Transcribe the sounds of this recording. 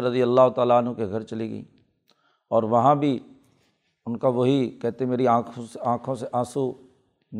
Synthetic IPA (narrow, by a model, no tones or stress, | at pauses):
ɾɐd̪ijəlːaːɦʊt̪aːlaənɦũkeɡʱɐɾt͡ʃɐliɡə̰ḭː | ɔːɾʋɐɦãbʱi | ʊnkaʋoɦikɛɦt̪eɦẽmeːɾiãːkʰõseãːkʰõseʔãːsu | n